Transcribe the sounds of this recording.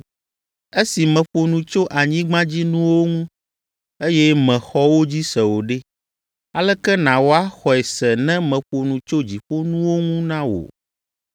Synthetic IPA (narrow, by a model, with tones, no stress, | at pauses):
e˦si˨mɛ̃˨ɸo˨nũ˨t͡ʃo˦ʔa˨ɲĩ˦ɡ͡bã˦d͡ʑi˦nũ˦wo˦ŋũ˦ | e˦jɛ˦mɛ̃˨xɔ˦wo˦d͡ʑi˦sɛ˨wo˨ɖe˦ | a˨lɛ˦kɛ˦nã˨wo˨a˦xɔ˨ɛ˨sɛ˨nɛ̃˦mɛ̃˨ɸo˨nũ˨t͡ʃo˦d͡ʑi˨ɸo˦nũ˦wo˦ŋũ˦nã˦wo̰˨